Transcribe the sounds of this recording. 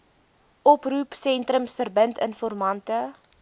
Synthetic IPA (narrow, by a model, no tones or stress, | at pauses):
ʔɔprupsɛntrəmsfərbəntənfɔrmɐntə